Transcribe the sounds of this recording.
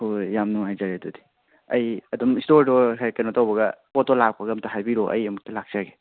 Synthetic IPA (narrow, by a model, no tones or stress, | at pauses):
hojamnuŋajzaɾedudi̥ | ɐjɐdɔmistoɾdoɦajkɐnotawbɐɡɐpotolak̚pɐɡɐmtɐɦajbiɾoʔɐ̰jɐmuk̚tɐlak̚saɡe̥